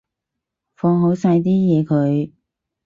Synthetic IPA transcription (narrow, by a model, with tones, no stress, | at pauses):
fɔː˧ŋɦo˨˥wsɐ˧jt̪̬iː˥jɛː˨˧kʰɵ˨˧ɥ